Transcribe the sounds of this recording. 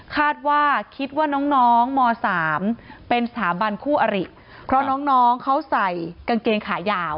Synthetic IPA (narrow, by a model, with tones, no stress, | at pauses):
kʰaː˥˩t̪̚waː˥˩kʰi˦˥t̪̚waː˥˩nɔː˦˥ŋnɔː˦˥ŋmɔː˧saː˩˦mpe˧nsat̪ʰaː˩˦ba˧nkʰuː˥˩ʔa˧ɾi˨˩ | pʰɾɔ˦˥nɔː˦˥ŋnɔː˦˥ŋkʰa˦˥wsa˨˩jka˧ŋkeː˧ŋkʰaː˩˦jaː˧w